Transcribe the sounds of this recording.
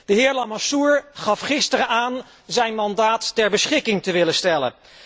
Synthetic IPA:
d̥əɦɪːɹlamasuɹχɑfχɪstəɾəaːn | zɛjnmɑndaːtːɛɹbəsχɪkɪŋtəʋɪləstɛlə̰n

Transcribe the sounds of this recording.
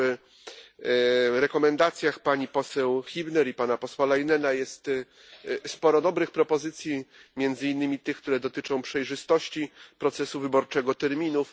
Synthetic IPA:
ɾɛkɔmɛnd̪at̪sʲjaxpaɲipɔsɛwxʲibnɛɾipanapɔswalajinɛnajɛst̪ | spɔɾɔd̪ɔbɾɘxpɾɔpɔzɘt̪sʲjimʲjɛnd̪zɘinːɘmʲit̪ɘxkt̪uɾɛd̪ɔt̪ɘt͡ʂɔ̃w̃pʂɛjʐɘst̪ɔɕt͡ɕipɾɔt̪sɛsuvɘbɔɾt͡ʂɛɡɔt̪ɛɾmʲinuf

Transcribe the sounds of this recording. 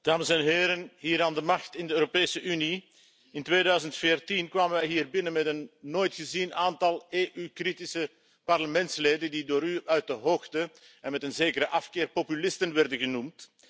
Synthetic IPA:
d̥aːməsɛnɦeːɾənɦiːɾaːndəmɑxtɪndəøːɾopeːsəʔyni | ɪntʋeːdœɥzəntfeːrtinkʋaːmənʋɛjɦiːrbɪnənmɛtənːoːjtxəzinaːntɑlˠeːʔykritisə | pɑrləmɛntsleːdəndidoːɾyœɥt̚dəɦoːxtə | ɛnmɛtənzeːkəɾəʔɑfkɪːrpopylɪstənʋɛrdənɣənumt

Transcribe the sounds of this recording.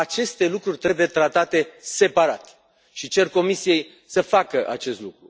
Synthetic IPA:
at͡ʃe̞st̪e̞lukɾurʲt̪ɾe̞buje̞t̪ɾat̪at̪e̞se̞paɾat̪ | ʃit͡ʃe̞rko̞misije̞j | səfakəʔa̰t͡ʃe̞st̪lukɾu

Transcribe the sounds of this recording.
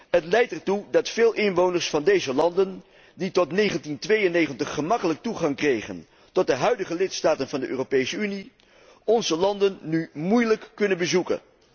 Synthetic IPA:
ɦətlɛjtɛɹtudɑtfeːlˠʔɪnʋownəɹsfɑndejzəlɑndən | ditɔtnejχəntintʋejənejχəntəχːəmɑkələk̚tuχɑŋkrejχə̰n | tɔt̚dəɦœɥdəχəlɪtstaːtənvɑndəʔø̰ːropejsəyni | ɔnzəlɑndənːymujləkːɵnənbəzukə̰n

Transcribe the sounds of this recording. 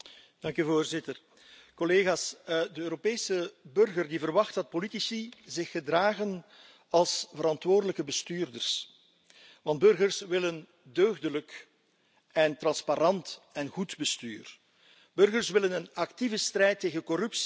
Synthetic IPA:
d̥ɑŋkyvoːrzɪtər | kɔleːɣaːsdəøːɾopeːsəbɵrɣərdivərʋɑxtdɑt̚politisizɪxːədraːɣən | ɑlˠsvəɾɑntʋoːrdələkəbəstyːrdərs | ʋɑnd̚bɵrɣərsʋɪlən | døːɣdələk | ɛntrɑnspaɾɑntɛnɣudbəstyːr | b̥ɵrɣərsʋɪlənənɑktivəstrɛjtːeːɣənkɔɾʏps

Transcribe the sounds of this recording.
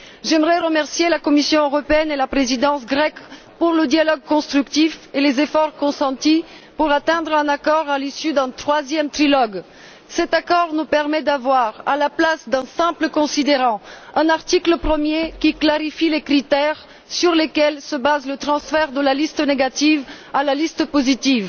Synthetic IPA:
ʒɛmʁɛʁəmɛʁsjelakɔmisjɔ̃øʁɔpeɛnelapχezid̪ɑ̃sɡʁɛk | puʁləd̪jalɔɡ̚kɔ̃st̪χykt̪ifelezefɔʁkɔ̃sɑ̃t̪i | puʁat̪ɛ̃d̪ʁɛ̃nakɔʁalisyd̪ɛ̃t̪χwazjɛmt̪χilɔɡ | sɛt̪akɔʁnupɛʁmɛd̪avwaʁalaplasd̪ɛ̃sɛ̃pləkɔ̃sid̪eʁɑ̃ɛ̃naʁt̪ikləpχəmjekʲiklaʁifilekχit̪ɛʁ | syʁlekɛlsəbazlət̪χɑ̃sfɛʁd̪əlalist̪əneɡat̪ivalalist̪əpozit̪iv

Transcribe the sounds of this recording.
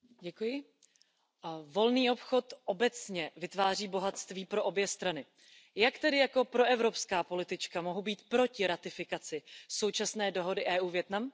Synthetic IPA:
ɟɛkujɪ | vo̞lniːo̞pxo̞t̪ʔo̞bɛt͡sɲɛvɪt̪vaːr̝iːbo̞ɦat̪st̪viːpɾo̞ʔo̞bjɛst̪ɾanɪ | jakt̪ɛdɪjako̞pɾo̞ʔɛvɾo̞pskaːpo̞lɪt̪ɪt͡ʃkamo̞ɦubiːt̪pɾo̞cɪɾat̪ɪfɪkat͡sɪso̞wt͡ʃasnɛːdo̞ɦo̞dɪʔɛːʔuːvjɛt̪nam

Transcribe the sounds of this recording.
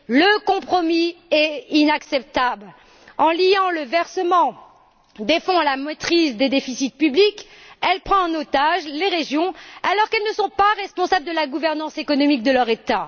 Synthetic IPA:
ləkɔ̃pχɔmiɛinaksɛp̚t̪abl | ɑ̃lijɑ̃ləvɛʁsəmɑ̃ | d̪efɔ̃lamɔt̪χisd̪ed̪efisit̪̚pyblikɛlpχɑ̃ɛ̃not̪aʒleʁeʒjɔ̃alɔʁkɛlnəsɔ̃paʁɛspɔ̃sabld̪əlaɡuvɛʁnɑ̃sekɔnɔmik̚d̪əlœʁet̪a

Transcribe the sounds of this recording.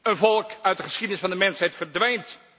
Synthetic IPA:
ənvɔlˠkœɥt̚dəχəsχidənɪsfɑndəmɛnsɦɛjtfəɹdʋɛjnt

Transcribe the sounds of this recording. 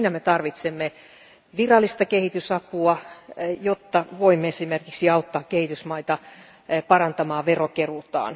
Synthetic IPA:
inæmet̪ɑrʋit̪semːe | ʋirɑlːist̪ɑkehit̪ysɑpuɑjot̪ːɑʋoimːeesimerkiksiɑut̪ːɑːkkehit̪ysmɑit̪ɑ | pɑrɑnt̪ɑmɑːʋerokerut̪ɑ̰ːn

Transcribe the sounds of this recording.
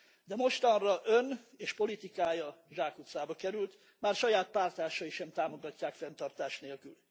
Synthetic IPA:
d̪ɛmo̞ʃt̪ɒnrɒʔø̞neːʃpo̞lit̪ikaːjɒʒaːkut̪saːbɒkɛɾylt̪ | maːrʃɒjaːt̪̚paːrt̪aːʃɒiʃɛmt̪aːmo̞ɡɒcːaːkfɛnt̪ɒrt̪aːʃt̪neːlkyl

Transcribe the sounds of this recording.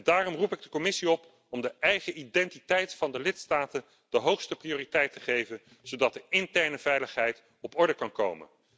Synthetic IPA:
daːrɔmrupɪɡ̚dəkɔmɪsiɔp | ɔmdəɛjχəʔidɛntitɛjtfɑndəlɪtstaːtən | d̥əɦowχstəprioːritɛjtəχejvən | z̥owdɑt̚dəɪntɛɹnəv̥ɛjləχɦɛjt | ɔpɔɹdəkɑnko̰wmə̰n

